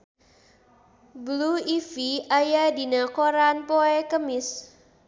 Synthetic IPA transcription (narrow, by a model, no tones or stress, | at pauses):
bluifiajadinakoɾanpoɛkəmɪs